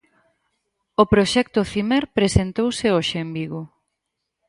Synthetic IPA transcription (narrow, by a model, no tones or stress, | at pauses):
opɾoʃɛkt̪ʊθimɛɾpɾesent̪owsɪoʃeembiɣʊ